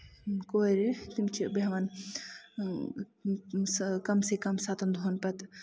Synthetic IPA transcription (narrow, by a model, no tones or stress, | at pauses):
koːɾet̪imt͡ʃʰibɐɦʋan | kɐmsekɐmsaːt̪ʰɐnd̪ʱoːnpɐt̪